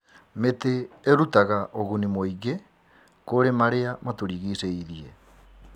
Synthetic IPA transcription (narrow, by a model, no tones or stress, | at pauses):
meteːɾutaɣaʔoɣunimoiɣe | koɾemaɾeamatoɾiːɣiseiðie